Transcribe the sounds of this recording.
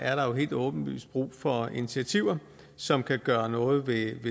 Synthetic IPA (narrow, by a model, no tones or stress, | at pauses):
æɐɾɑ̈jo̝ɦe̝̰ːld̥ɔ̽ːb̥n̩ʋy̰ːsd̥̚b̥ʁṵːfɒ̽init͡sʰiæt͡sʰiʊ̰ɐ | sɒ̽mkʰæɡ̥ɶːɐnɔ̽ːð̞̩ˠʋe̝ʋe